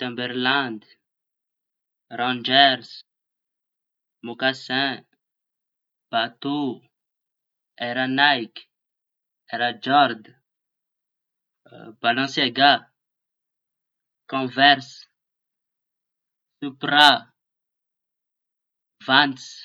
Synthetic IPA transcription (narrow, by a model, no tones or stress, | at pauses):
t̪ɛ̃bɛɾlãnd̪ | ɾɔ̃d͡ʒɛɾs | mokasɛ̃ | b̥at̪u | ɛɾanajk | ɛɾad͡ʒɔɾd̪ | b̥alɔ̃seɡa | kɔ̃vɛɾs | supɾa | vãns